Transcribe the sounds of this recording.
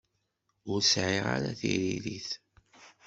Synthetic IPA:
ʊɾsʕiʁaɾaθiɾiliθ

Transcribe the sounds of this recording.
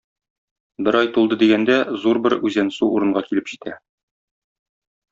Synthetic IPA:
bɘɾɑjt̪ulˠd̪ɤd̪iɡænd̪æzuɾbɘɾʉzænsuuɾɤ̆ɴɢɑkilɘpʑit̪ʰæ

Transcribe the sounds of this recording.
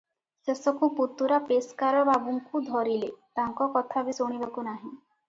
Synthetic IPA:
sesɔkuput̪uɾapeskaɾɔbabuŋkud̪ʱɔɾilet̪aŋkɔkɔt̪ʰabisoɽ̃ibakunaɦĩ

